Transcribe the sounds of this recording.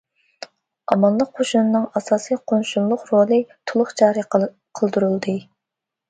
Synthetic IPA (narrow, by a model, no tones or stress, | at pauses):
ɑmɑnlˠəqːʰoʃunɨnɨŋɑsɑːsijqʰonʃunlˠʊqrolˠɨt̪ʰulˠʊχd͡ʒɑːɾi | qʰəlˠd̪uɾulˠd̪ɨ